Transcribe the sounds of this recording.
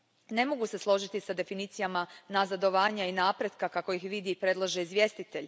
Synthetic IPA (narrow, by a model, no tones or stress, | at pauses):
ne̞mo̞ɡuse̞slˠo̞ʒit̪isad̪e̞finiːt̪sijamanazad̪o̞ʋaːɲainaːpɾe̞d̪kakako̞ixʋid̪iːpɾe̞d̪lˠaʒeizʋje̞st̪it̪eʎ